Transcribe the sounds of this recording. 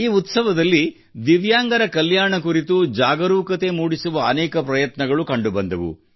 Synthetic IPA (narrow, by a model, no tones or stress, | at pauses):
iːut̪sɐʋɐd̪ɐlːi | d̪iʋjaːŋɡɐɾɐkɐljaːɳɐkuɾit̪ud͡ʒaːɡɐɾuːkɐt̪e̞muːɽisuʋɐːnɛːkɐpɾɐjɐt̪nɐɡɐɭukɐɳɖubɐnd̪ɐʋṵ